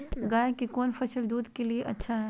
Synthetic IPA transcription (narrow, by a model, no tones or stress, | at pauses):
ɡaːekikɔːnfʰɐʃəld̪uːd̪kelieʔɐ̰tːʃʰaɦɛː